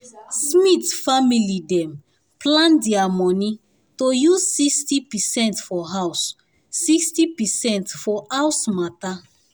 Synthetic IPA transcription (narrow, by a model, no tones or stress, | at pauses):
smitfamilidɛ̃m | plãndiamɔni | tojuzsikstipɛsɛ̃ntfɔɦawsː | ikstipɛsɛ̃ntfɔʔawsmata